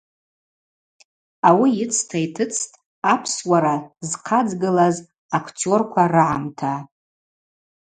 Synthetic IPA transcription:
awiɪt͡sʰtʰajtʰɨt͡sʰtʼ | apʰswaɾazqʰad͡zɡɨlaz | akʷʰtʰio̞rkʷʰarɨʕamtʰa

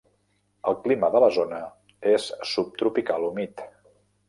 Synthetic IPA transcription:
əlˠkliməðələzonə | esːup̚t̪ɾupikalumit̪

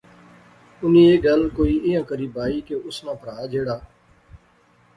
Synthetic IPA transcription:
ʊnĩːeːɡəlkoːiːʔɪjãːkəɾiːbaːiːkeʊsnãːpəɽaːd͡ʒeːɽaː

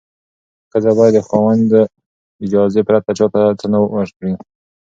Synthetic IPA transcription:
kəzabɑjad̪ːəxɑwand̪ə | ɪd͡ʒɑzepɾat̪at͡ʃɑt̪at̪ʰanawaʒɽi

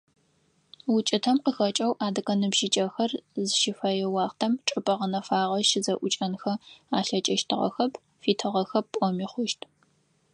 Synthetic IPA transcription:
wʊt͡ʃʼɪtʰɐmqəxɐt͡ʃʼɐwʔaːdɨkʼɐnɨbʒit͡ʃʼɐxɐrzɨʃɪfɐjɛwɑːχtʰɐmʈ͡ʂʼɨpʼɐʁənɐfaːʁɐʃɪzɐʔʷʊt͡ʃʼɐnxɐaːɬɐt͡ʃʼɐʃtʰɨʁɐ̰xɐpʰ | fiːtʰɨʁɐxɐppʷʼɔmiːχʷʊʃtʰʼ

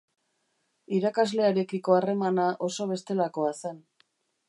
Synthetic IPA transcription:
iɾakazle̞aɾe̞kiko̞are̞manaʔo̞so̞β̞e̞st̪e̞lako̞asen

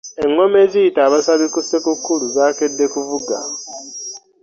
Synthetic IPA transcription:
e̞ŋːo̞me̞zijitaːβasaβikusekukːuluzaːke̞dːe̞kuvuɡa̰

